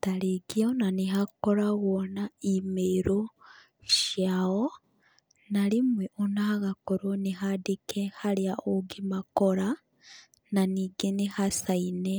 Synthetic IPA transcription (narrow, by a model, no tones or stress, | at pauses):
taleɡionaniɦakoɾaɣonaimeɾo | ʃjao | nalimweʔonaɣakoɾoniɦadekehaɾiaoɡimakoɾa | naniɡenihasaine